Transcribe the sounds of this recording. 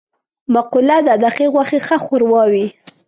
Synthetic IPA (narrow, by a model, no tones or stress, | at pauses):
maqulad̪əad̪aqeɣwaxexaxʊɾwɑwi